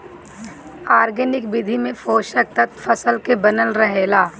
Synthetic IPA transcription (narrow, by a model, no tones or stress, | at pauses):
aːɾɡənɪkbɪd̪ʱimẽfoːʃək̚t̪ɐt̪fʰɐsəlkebɐnəlɾɐɦeːlaː